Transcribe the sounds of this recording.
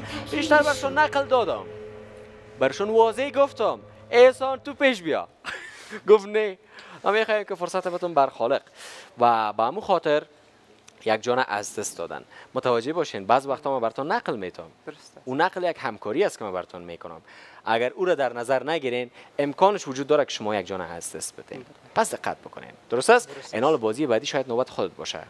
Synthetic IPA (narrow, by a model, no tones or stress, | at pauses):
beʃt̪aɾbaɾɪʃɔnːaqld̪ɔd̪ɔ̰m | baɾɪʃɔnwɔzeɡoft̪ɔmesɔnt̪upeʃ̬bijɔ̰ | ɡʊfne | mamexɔjemkɪfʊɾsat̪abɪt̪ɔmbaɾxɔlɪqwabaamuxɔt̪ɪɾ | jak̚d͡ʒɔnaʔa̰zd̪ɪst̪d̪ɔ̰d̪a̰nmʊt̪awad͡ʒebɔʃenbazwaqt̪ɔmabaɾɪt̪ɔnːaqlmet̪ʰɔ̰munaqljakhamkʰɔɾiast̪kɪmabaɾɪt̪ʰɔnmḛkʊnʊ̰ma̰ɡaɾuɾad̪aɾnazaɾnaɡiɾenɪmkɔnɪʃwʊd͡ʒud̪ːɔɾakɪ̥ʃʊmɔjak̚d͡ʒɔna̰a̰zd̪ɪst̪̚bɪt̪ʰḛn | pasd̪ɪqːa̰t̪̚bʊkʊnḛnd̪̥ʊɾʊst̪asɪnɔlɪbɔziɪbad̪iʃɔjad̪nobat̪ɪ̥xʊd̪ɪt̪̚bɔ̰ʃa̰